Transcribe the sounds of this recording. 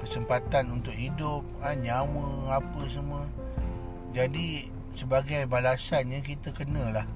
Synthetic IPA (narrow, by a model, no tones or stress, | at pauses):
kəsəmpat̪anunt̪ʊk̚hidʊp̚aɲaməapəsamə | d͡ʒadi | səbaɡajbalasanɲəkit̪əkənəlah